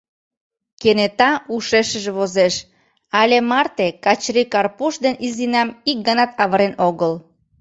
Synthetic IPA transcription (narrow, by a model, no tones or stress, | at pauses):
kenet̪ɑuʃeʃəʒeβozeʃ | ɑlʲemɑrt̪ekɑt͡ɕɾikɑrpuʃd̪enʔizinɑmik̚ɡənɑt̪ɑβəɾenoɣəl